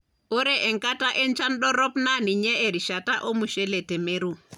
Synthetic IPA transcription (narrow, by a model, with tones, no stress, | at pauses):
ɔ˦ɾɛʔɛ˨ŋka˦ta˦ʔɛ˦nt͡ʃa˦nɗɔ˦ɾɔ˦pna˦ni˨ɲɛ˦ɛ˨ɾi˨ʃa˨ta˦ʔo˦mu˨ʃɛ˦lɛ˨tɛ˨me˦ɾu˦˨